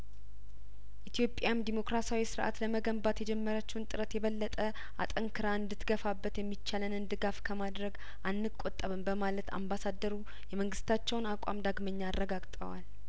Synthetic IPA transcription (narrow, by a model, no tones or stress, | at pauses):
ʔit̪ʰjo̞pʼjamd̪imo̞kɾasawisɨɾʔa̰t̪ləməɡəmbat̪jɛd͡ʒɛmːəɾat͡ʃːɛwnt̪ʼɨɾət̪jɛβəlːət̪ʼə | a̰t̪ʼəŋkʰɨɾaɨnd̪ɨt̪ɡəfabːət̪jɛmːit͡ʃːalənɨnd̪ɨɡafkʰəmad̪ɾəɡ | ʔanːɨkʼot̪ʼːəβɨnbəmalət̪ʰa̰mbasad̪əɾu | jɛməŋɡɨst̪ʰat͡ʃːɛwnakʷʼa̰md̪aɡməɲːarːəɡaɡt̪ʼə̰wa̰l